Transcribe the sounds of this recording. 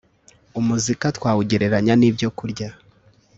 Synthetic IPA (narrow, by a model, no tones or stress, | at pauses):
umuzikatwaːwuɟeɾe̞ɾaɲaniːbjo̞kuɾɟa